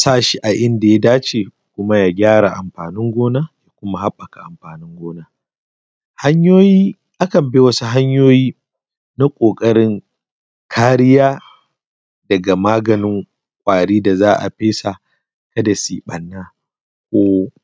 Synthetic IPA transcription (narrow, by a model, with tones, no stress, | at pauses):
saː˦ʃi˦ʔa˨ʔɪ˦nda˨ja˦daː˦t͡ʃeː˨ | kʷʊ˦ma˦ja˨ɡʲaː˦ɽa˨ʔa˨mɸaː˨nɪ˦ŋɡʷoː˦na˦ja˦kʷʊ˦ma˦ha˦ɓːɐ˨ka˨ʔa˨mɸaː˨nɪ˦ŋɡʷoː˦na˦ | ha˦ɲjoː˦jiː˦ | ʔa˦kɐ˨mbe˦wɐ˦su˦ɦa˦ɲjoː˦jiː˦ | na˦kʷʼoː˨kʼɐ˦ɽɪ˦ŋ | kʰaː˦ɾɪ˦jaː˦ | dɐ˨ɡa˨maː˦ɡɐ˨nɪ˦ŋ | kʷʼaː˨ɽiː˦da˨zaː˦ʔa̰˨ɸeː˦sa˨ | kɐ˦da˨siː˨ɓɐ˨nːaː˦ | kʷoː˦